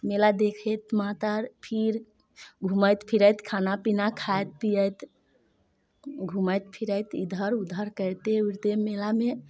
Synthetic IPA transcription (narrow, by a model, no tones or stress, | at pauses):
melad̪ekʰət̪mat̪əɾpʰiɾ | ɡʱuməjt̪pʰiɾəjt̪kʰanapinakʰajt̪̚pijəjt̪ | ɡʱuməjt̪pʰiɾəjt̪id̪ʱəɾud̪ʱəɾkəɾt̪euɾt̪emelame